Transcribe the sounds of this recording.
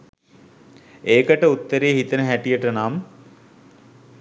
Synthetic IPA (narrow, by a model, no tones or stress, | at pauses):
eːkəʈəut̪ːəɾeːɦit̪ənəɦæʈijəʈənam